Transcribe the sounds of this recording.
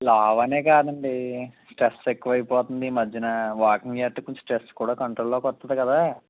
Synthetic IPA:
laːʋɐne̞ːkaːd̪ɐɳɖisʈɾesekːuʋɐɐjipɔːt̪und̪iːmɐd͡ʒːɐnɐʋaːkiŋɡaːʈːukuɲt͡ʃu̥ʈɾeskuːɽaːkɐɳʈɾoːlːoːkɔt̪ːɐd̪ikɐd̪aː

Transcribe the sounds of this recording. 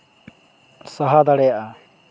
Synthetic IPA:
saɦad̪aɽɛjaʔa

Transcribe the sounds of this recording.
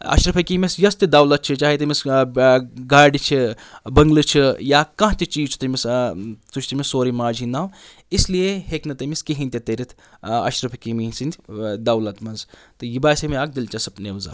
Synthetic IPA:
ɐ̰ʃɾɐpʰɐkimesjɐst̪id̪ɐwlɐt̪̚t͡ʃʰit͡ʃaːɦet̪ɐmis | ɡaːɖit͡ʃʰibɐŋɡlɨt͡ʃʰijaːkɐ̃ɦt̪it͡ʃiːt͡ʃʰt̪ɐmist̪ut͡ʃʰʲt̪imisoːɾimaːd͡ʒinaːw | islijeheknɐt̪ɐmiskiɦint̪ʲɐt̪eɾit̪ʰ | ɐ̰ʃɾɐpʰɐkimisinʲt̪ʲd̪ɐwlɐt̪mɐnzt̪ɨjibaːsɐmiaːk̚d̪ilt͡ʃɐsɐpneʋza̰

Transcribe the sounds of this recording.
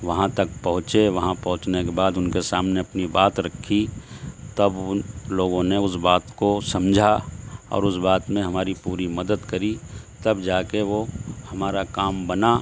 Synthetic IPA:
ʋɐɦãt̪ɐk̚pɐɦʊ̃t͡ʃeʋɐɦãpɐɦʊ̃t͡ʃnekebaːd̪ʊnkesaːmneɐpnibaːt̪ɾɐkʰːit̪ɐbloːɡõneʊsbaːt̪kosɐmd͡ʒʱaɔ̰ːɾʊsbaːt̪mẽɦɐmaːɾipuːɾimɐd̪əd̪kɐɾi | t̪ɐbd͡ʒaːkeʋohɐmaːɾakaːmbɐna

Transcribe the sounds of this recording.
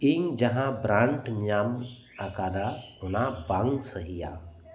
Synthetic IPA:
iŋd͡ʒɐɦãbɾaɳʈɲam | akaːd̪aʊnabaŋɡsəɦija̰

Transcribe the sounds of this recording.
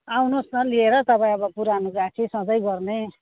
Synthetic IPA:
awnosnʌlieɾʌt̪ʌpãĩʌbʌpuɾanuɡat͡sʰisʌ̃d͡zʌjɡʌrne

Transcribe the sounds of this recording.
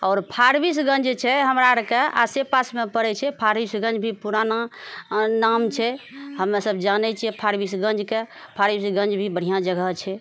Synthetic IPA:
ɔːɾpʰaɾbis̬ɡə̃nd͡ʒt͡ʃʰɛɦəmɾaɾkea̰sepasmepəɾɛt͡ʃʰɛpʰaɾbisɡə̃nd͡ʒbʱipuɾana | namt͡ʃʰɛɦəmːesəbd͡ʒanɛt͡ʃʰiɛpʰaɾbisɡə̃nd͡ʒkepʰaɾbisɡə̃nd͡ʒbʱibəɽ̤ijãd͡ʒəɡəɦt͡ʃʰɛ

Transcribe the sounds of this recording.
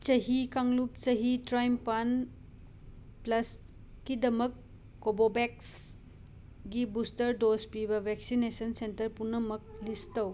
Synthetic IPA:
t͡ʃɐɦikaŋlup̚t͡ʃɐɦitɾajmpan | plɐs | kidɐmɐkː | obobeks | ɡibustɐɾdospibɐbʱɛksinesɐnsentɐɾpunːɐmɐk̚listɐw

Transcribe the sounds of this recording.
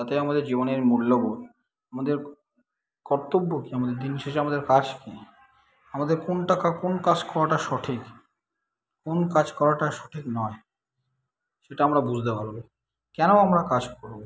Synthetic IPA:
at̪eamad̪eɾd͡ʑiboneɾmuɽloɡo | amad̪eɾ | kɔɾt̪obːokiamad̪eɾd̪inʃeʃeamad̪eɾkad͡ʑke | amad̪eɾkonʈakakonkad͡ʑkɔɾaʈaʃɔʈʰik | konkad͡ʑkɔɾaʈaʃɔ̥ʈʰiknɔe | ʃeʈaamɾabud͡ʑʱd̪epaɾobe | kɛnoamɾakad͡ʑkɔɾbo

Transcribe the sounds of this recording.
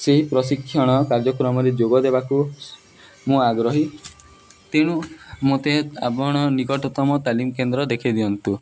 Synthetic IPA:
seɦipɾɔsikʰːjɔɽ̃ɔkaɾd͡ʒɔkɾɔmɔɾed͡ʒoɡɔd̪ebaku | mũaɡɾɔɦi | t̪eɽ̃umot̪ea̰bɔɽ̃ɔniɡɔʈɔt̪ɔmɔt̪alimɔkend̪ɾɔd̪ekʰid̪iɔnt̪u

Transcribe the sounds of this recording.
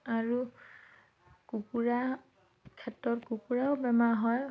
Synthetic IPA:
aɹu | kukuɹa | kʰɛtːɔtkukuɹaʊbɛmaɦɔj

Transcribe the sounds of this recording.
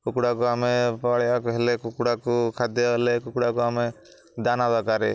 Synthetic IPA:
kukuɽakɔamɛpaɽɛjakɔɦɛlɛkukuɽakɔkʰad̪jɔlɛkukuɽakɔamɛ | d̪anabakaɾɛ

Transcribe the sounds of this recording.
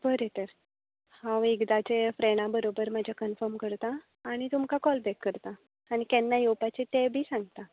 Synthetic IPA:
bəɾet̪əɾ | hãwekd̪at͡ɕefɾeɽ̃ãbəɾobəɾmad͡ʑʱakənfəɾmkəɾt̪aː | ɽ̃it̪umkakɔlbɛkːəɾt̪aː | ɽ̃ik̪ɛnːajopat͡ɕit̪ebʱiːsãŋɡt̪a

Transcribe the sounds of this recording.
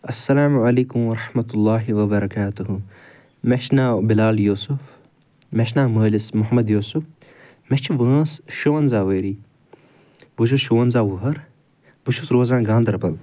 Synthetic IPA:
ɐsːɐlaːmʕɐleːkʊmʋɐɾɑħmɐt̪ulːaːɦiʋɐbɐɾɐkaːt̪uɦu | meʃnaːbɪlaːljoːsʊf | meʃnaːməːlɪsmʊɦɐmɐd̪joːsuf | meʃt͡ʃʰiʋəːsʃoːnzaːʋeːɾiː | buʃ̬uʃoːnzaːʋuɦɐɾ | buʃusɾoːzãːnɡãːnd̪ɐɾbɐl

